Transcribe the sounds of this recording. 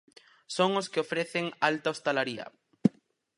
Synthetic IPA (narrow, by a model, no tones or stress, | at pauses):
soŋʊskɪofɾeθeŋalt̪aost̪alaɾiɐ̰